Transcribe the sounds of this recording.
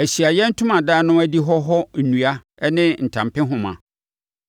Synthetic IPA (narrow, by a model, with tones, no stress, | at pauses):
æ˨ɕi˨a˨jɛ˦n̩˦tʰʊ̃˦mã˨daː˦nʊ̃˦æ˦di˦ɦɔ˦ɦɔ˦n̩˨nũ˨a˦ | ɛ˦nɪ̃˦n̩˨tʰã˨mpɪ̃˦ɦʊ̃˨mã̰˨